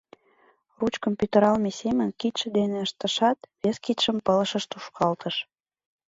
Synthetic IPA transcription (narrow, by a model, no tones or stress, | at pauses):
rut͡ɕkompʲjyt̪eɾɑlmesemə̆nkit̪ʃə̆d̪eneəʃt̪ə̆ʃɑt̪βeskit̪ʃəmpələ̆ʃə̆ʃt̪uʃkʰɑlt̪ʰəʃ